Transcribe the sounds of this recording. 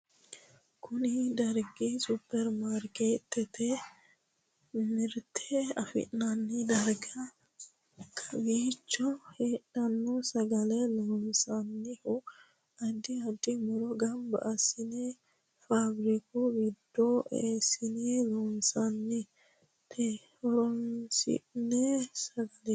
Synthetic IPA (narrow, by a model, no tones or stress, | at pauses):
kʊnɪd̪ɐɾɡisʊpːɛɾmaːɾkeːt̪ːɛt̪ɛ | mɪɾt̪ʰeɐfɪ̰ʔnɐnːɪd̪ɐɾɡɐ | kʰɐwiːt͡ʃːɔheːᶑɐnːɔsɐɡɐlɛloːmsɐnːɪhʊ | ɐd̪ːɪɐd̪ːɪmʊɾɔɡɐmbɐ̰ʔɐsɪnɛ | faɡɾɪkʊɡɪd̪ːoʔeːsɪnɛloːnsɐnːɛ | t̪ʰe | ɔɾɔnsɪ̰nɛsɐɡɐlɛ